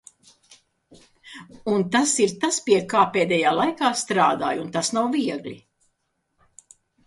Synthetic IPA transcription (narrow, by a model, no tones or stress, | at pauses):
unt̪asiɾt̪aspiɛkaːpeːd̪ɛjaːlˠajkaːst̪ɾaːd̪a̰ːjunt̪asnawviɛɡlʲḭ